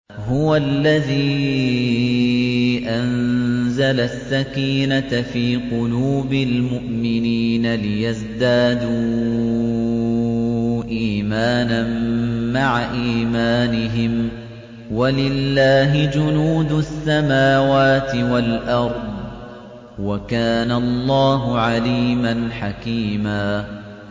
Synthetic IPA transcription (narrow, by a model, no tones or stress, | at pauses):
ɦʊwallːaðiː | ʔanzalasːakiːnafiːqʊluːbɪlmʊʔmɪniːnalɪjazd̪aːd̪uː | ʔiːmaːnanːaʕaʔiːmaːnɪɦɪm | walɪlːaːɦɪd͡ʒʊnuːd̪ʊasːamaːwaːt̪ɪwalʔɑɾˤd̪ˤ | wakaːnalˤːɑːɦʊʕaliːmanħakiːmaː